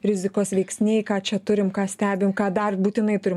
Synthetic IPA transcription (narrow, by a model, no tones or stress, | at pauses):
ɾʲɪzʲɪkoːsʋʲɛɪksʲnʲeːjkɑːt͡ʃʲɛt̪ʊɾʲɪmkɑːsʲt̪ʲæːbʲɪmkɑːd̪ɐrbuːt̪ʲɪnɐɪt̪ʊɾʲɪm